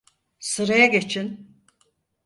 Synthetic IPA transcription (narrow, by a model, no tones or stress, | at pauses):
sɯɾajaɡe̞t͡ʃʰin